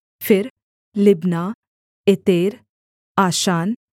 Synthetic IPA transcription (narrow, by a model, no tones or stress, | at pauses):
feɾ | libna | et̪eːɾ | aɕaːn